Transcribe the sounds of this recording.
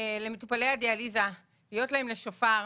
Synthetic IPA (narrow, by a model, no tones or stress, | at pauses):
le̞metupalehadealiza | lijo̞tlae̞mle̞ʃofaʁ